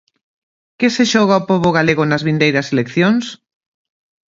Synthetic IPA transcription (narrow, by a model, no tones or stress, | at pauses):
kɪseʃɔɣaopɔβʊɣaleɣʊnɐzβind̪ejɾɐselekθjoŋs